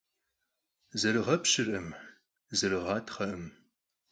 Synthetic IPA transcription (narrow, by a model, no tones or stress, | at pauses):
zɐrɨʁɐpɕɨrɨm | zɐrɨʁɑːtʰχɐʔɨm